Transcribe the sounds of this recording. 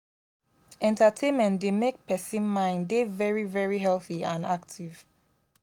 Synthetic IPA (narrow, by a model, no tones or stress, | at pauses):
ɛ̃ntətʰẽnmɛ̃ntdemek̚pʰɛsĩnmãɪ̃ndevɛɹivɛɹiɦɛlˠθiãnaktʰiv̥